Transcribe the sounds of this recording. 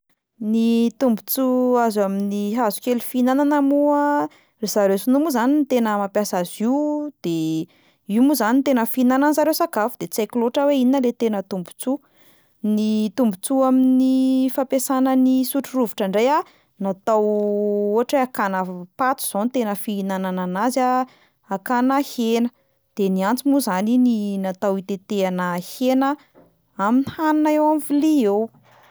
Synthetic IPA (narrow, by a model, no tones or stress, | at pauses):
nit̪umbut͡suazaminiɦazu̥kʲelufinananəmuə | riz̥aɾewsunumuzanint̪enəmapjasaziwd̪̥e | iwmuzanint̪enəfinananzaɾewsakafud̪̥et͡sajkloʈ͡ʂəweininəlet̪enət̪umbu̥t͡su | nit̪umbut͡suaminifapesanənisuʈ͡ʂiruviʈ͡ʂaɳɖ͡ʐeja | nat̪awoɦaʈ͡ʂeakanəpat̪u̥z̥onit̪enəfiinanananaza | akanəhenə | d̪̥eniant͡simuzanininat̪awit̪et̪eanəhenə | aminihananaewamviliew